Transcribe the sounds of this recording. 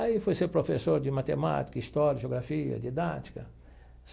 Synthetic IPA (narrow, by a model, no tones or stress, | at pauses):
aifojseɾpɾofesoɾd͡ʒɪmat̪ema̰t͡ʃ̪i̥kɐist̪ɔɾjɐʒeoɡɾafiɐ̰d͡ʒ̪id̪a̰t͡ʃi̥kɐ | s